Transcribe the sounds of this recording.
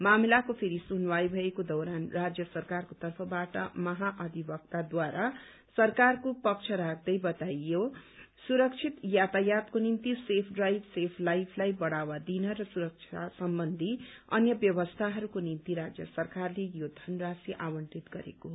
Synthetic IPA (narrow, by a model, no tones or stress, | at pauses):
mamilakopʰeɾisunwajbʱʌekod̪ʌwɾanrad͡zjʌsʌrkarkot̪ʌrpʰʌbaʈʌ̰mʌɦaʔʌd̪ʱibʌk̚t̪ad̪waɾʔa | sʌrkarkopʌk̚t͡ʃʰʌɾak̚ʰd̪ʌjbʌt̪ajo | suɾʌk̚t͡ʃʰit̪jat̪ajat̪konint̪isepʰɖrajbsepʰlajbʰlajbʌɽawad̪inʌɾʌsuɾʌk̚t͡ʃʰiaasʌmbʌnd̪ʱiʌ̰njʌbjʌbʌst̪ʰaɦʌɾukonint̪iɾad͡zjʌsʌrkarlejod̪ʱʌnrasiʔawʌɳʈit̪ɡʌɾḛkoɦo